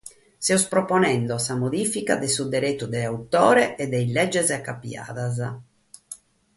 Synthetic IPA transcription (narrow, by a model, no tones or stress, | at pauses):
sɛɔspɾɔponɛnd̪ɔsamoðiːfikad̪esud̪eɾet̪ːud̪ɛawt̪ɔːɾɛʔɛd̪ːɛjlɛd͡ʒːɛzakːapja̰ːðaza